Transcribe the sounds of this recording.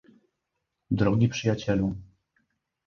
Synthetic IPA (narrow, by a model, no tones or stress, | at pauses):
d̪ɾɔɡʲipʂɘjat͡ɕɛlu